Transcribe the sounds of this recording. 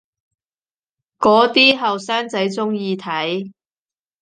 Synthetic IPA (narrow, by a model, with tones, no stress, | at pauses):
kɔː˨˥t̪iː˥ɦɐ˨wsaː˥nt͡sɐ˨˥jt͡sʊ˥ŋjiː˧t̪ʰɐ˨˥j